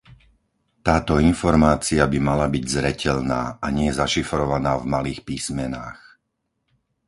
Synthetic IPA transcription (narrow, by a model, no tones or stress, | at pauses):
t̪aːt̪ɔinfɔɾmaːt͡siabimalabiɟzɾɛcʰɛʎnaːaɲɪɛɛzaʃifɾɔʋanaːvmaliːxpiːsmɛna̰ːx